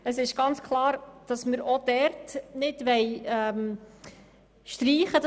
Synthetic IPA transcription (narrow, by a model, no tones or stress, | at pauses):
əsɪʃɡ̥ɑnt͡skʰlˠɑːɾd̥ɑsməɾod̥ɛɾtnɪdʋɛjɛm | ʃtɾiːχəd